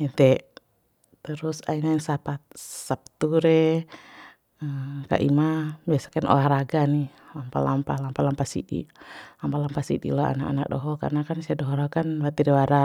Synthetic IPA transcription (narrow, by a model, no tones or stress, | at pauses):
ɛnt̪ɛ | t̪əɾusa̰inainsapat̪̚sap̚t̪uɾɛ | əka̰ʔḭmabiasḁknʔɔ̰ahɾaɡanih | lampa̰lampahlampalampasḭdḭlampahlampasḭɗḭlɔa̰naka̰nak̚dɔɦɔka̰rnakansiadɔɦɔɾkanbat̪iɾɛwaɾa